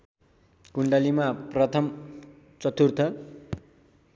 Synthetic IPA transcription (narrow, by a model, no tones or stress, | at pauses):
kuɳɖʌlimaprʌt̪ʰʌm | t͡sʌt̪urt̪ʰʌ